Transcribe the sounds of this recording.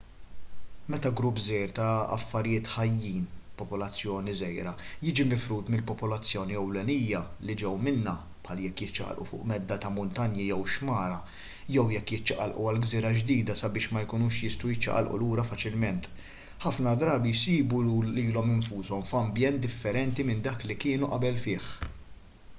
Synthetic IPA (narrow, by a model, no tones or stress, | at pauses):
mɛt̪ɐɡɾʊpːzɛjɾt̪ɐɐ̰fːɐɾɪjɪːt̪ħɐjːiːnpɔpɔlɐt͡sːjɔːnizɛjɾɐjɪːd͡ʒimɪfɾuːt̪mɪlpɔpɔlɐt͡sːjɔːniɛwlɛnijːɐlid͡ʒɛwmɪnːɐ | pħɐljɛkːjɪt͡ʃːɐ̰ʔɐ̰lʔṵfʊ̰ːʔmɛd̪ːɐt̪ɐmʊnt̪ɐnjijɛwʃmɐːɾɐ | jɛwjɛkːjɪt͡ʃːɐʔɐ̰lʔṵɐlɡziːɾɐd͡ʒd̪iːd̪ɐsɐbɪːʃmɐjkʊnuːʃjɪst̪ujɪt͡ʃːɐ̰ʔɐ̰lʔṵluːɾɐfɐt͡ʃɪlmɛnt̪ | ħɐfnɐd̪ɾɐːbijsiːbuliːlɔmɪɱfuːsɔmfɐmbjɛnt̪̚d̪ɪfːɛɾɛnt̪imɪnd̪ɐːklikɪːnuʔɐbɛlfɪːħ